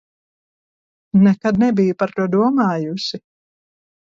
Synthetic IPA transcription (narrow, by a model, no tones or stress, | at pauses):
nɛkad̪̚nɛbijupaɾt̪uɔd̪uɔmaːjusi